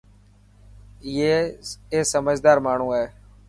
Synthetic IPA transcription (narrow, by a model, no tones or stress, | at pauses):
jeːeːsəməd͡ʒd̪aːɾmaːɳ̤ũːeː